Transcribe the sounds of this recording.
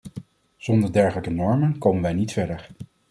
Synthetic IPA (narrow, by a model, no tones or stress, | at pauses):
z̥ɔndəɹdɛɹχələkənɔɹmənkowmənʋɛjnitfɛɹdəɹ